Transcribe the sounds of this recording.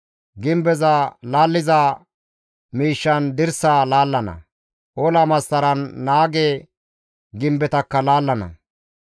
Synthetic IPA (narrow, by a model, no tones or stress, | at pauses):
ɡɪmbɛzalaːlːɪza | miːʃːɐnd̪ɪɾsaːlaːlːɐnɐ̰ | ʔolamɐsːɐɾɐnːaːɡɛ | ɡɪmbɛt̪ɐkːɐlaːlːɐnɐ̰